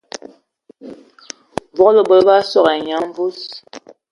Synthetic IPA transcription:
vɔ˦lo˨bɔ˨lba˦sɔ˦˨ɣa˨ɲa˨˦ɱ˦vu˦s

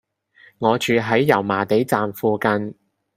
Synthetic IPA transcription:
ŋɔː˨˧t͡ʃyː˨˧ɦɐ˨˥jːɐ˨˩wmaː˨˩t̪e˨˥jt͡saː˨mfuː˧kɐ˧n

